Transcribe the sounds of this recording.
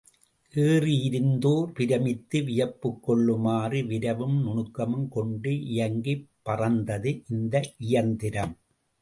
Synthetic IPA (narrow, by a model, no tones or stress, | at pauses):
ʔeːrijɪɾɯnd̪oːɾpɪɾɐmɪt̪ːɯʋɪjɐpːɯkːɔɭːɯmaːriʋɪɾɐʋɯmnʊɳɯkːɐmɯmkɔɳɖɯʔɪjɐŋɡipːɐrɐnd̪ɐðɯʔɪnd̪ɐʔʔɪjɐnd̪ɪɾɐm